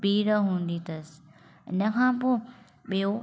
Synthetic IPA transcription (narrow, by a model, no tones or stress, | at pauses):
biːɾəɦũːn̆d̪it̪ɐs | ɪ̰nəkʰãːpoː | ɓijo